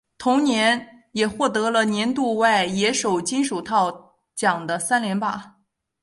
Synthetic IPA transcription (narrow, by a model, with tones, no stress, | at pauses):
t̪ʰʊ˧˥ŋnjɛ˧˥n | jɛ˨˩xwɔ˥˩t̪ɤ˧˥lə˧njɛ˧˥nt̪u˥˧wa˥˩ɪjɛ˧˥ʂo˨˩ʊt͡ɕi˥nʂu˨˩t̪ʰɑ˥˩ʊ | t͡ɕjɑ˨˩ŋd̪ə˦sa˥nljɛ˧˥npa̰˥˩